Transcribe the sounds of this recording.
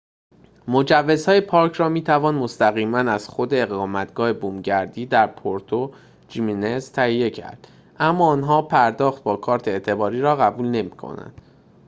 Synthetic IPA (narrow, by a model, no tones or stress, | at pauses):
mo̞d͡ʒævːe̞zhɒːjepʰɒːɾcʰrɒːmiːt̪ʰævɒːnmost̪æɣiːmænæz̥xo̞d̪e̞ːɣɒːmæt̪ɡ̥ɒːhe̞buːmɟæɾd̪iːd̪æɾpʰoɾt̪ʰo | d͡ʒiminezt̪ʰæhije̞cʰæ̰ɾd̪̥ | ʔæmːɒːnɦɒːpʰæɾd̪ɒːxt̪̚bɒːkʰɒːɾt̪ʰeet̪ʰe̞bɒːɾiːɾɒːɣæbuːlne̞mikʰo̰næ̰nd̪̥